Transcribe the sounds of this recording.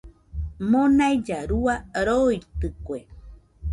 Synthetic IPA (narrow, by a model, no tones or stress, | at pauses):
mõnajd͡ʒaɾuaɾojt̪ɨkʷe